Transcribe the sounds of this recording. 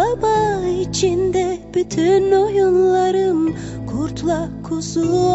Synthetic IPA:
ɑbɑit͡ʃʰind̪eb̥yt̪ʰynojunlˠɑɾɯn | kʰuɾt̪ʰulˠɑkʰusu

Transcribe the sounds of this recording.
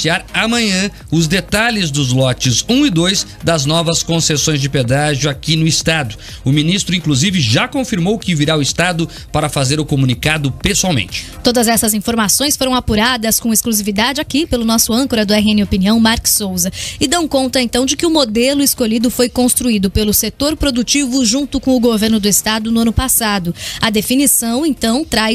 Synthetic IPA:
iaɾamɐ̃ɲɐ̃ | ʊzd̪et̪alɪzd̪ʊzlɔt͡ʃɪzũɪd̪ojs | d̪ɐznɔvɐskõsesõj̃zd͡ʒɪped̪aʒʊakinʊɪst̪ad̪ʊ | ʊmĩnist̪ɾʊĩkluzivɪʒakõfiɾmowkɪviɾaʊɪst̪ad̪ʊ | paɾɐfazeɾʊkomũnikad̪ʊpesuawmḛ̃t͡ʃɪ̥t̪od̪ɐzɛsɐzĩfoɾmasõj̃sfoɾɐ̃w̃apuɾad̪ɐskõeskluzivid̪ad͡ʒɪakipelʊnɔsʊɐ̃ŋkoɾɐd̪ʊɛɦiẽnɪopiniɐ̃w̃maɾksowzɐɪd̪ɐ̃w̃kõt̪ɐẽnt̪ɐ̃w̃d͡ʒɪkɪʊmod̪elʊɪskoʎid̪ʊfojkõst̪ɾuid̪ʊpelʊset̪oɾpɾod̪ut͡ʃivʊʒũt̪ʊkõw̃ʊɡoveɾnʊd̪ʊɪst̪ad̪ʊnʊɐ̃nʊpasad̪ʊɐd̪efinisɐ̃w̃ẽt̪ɐ̃w̃t̪ɾaj

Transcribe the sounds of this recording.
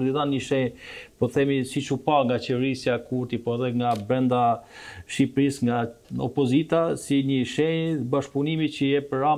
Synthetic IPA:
ɾd̪iðanɲəʃɛjpɔθɛmisit͡ʃupaŋɡat͡ʃɛvɛɾisjakuɾt̪ipɔɛðɛŋɡabɾɛnd̪a | ʃipɾisŋɡaɔ̰pɔzit̪asiɲəʃɛbaʃpunimicəjɛpəɾa

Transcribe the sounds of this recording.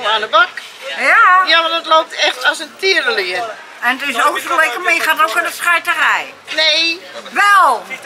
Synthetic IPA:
maːnəbak | jajaʋadɔtloːp̚tɛxtɔsəntʰiəɾəlɪən | ɛnətɪsowkslɛkəmɪjəxatowkənətsxɛjtərɛj | neːʋɛlˠ

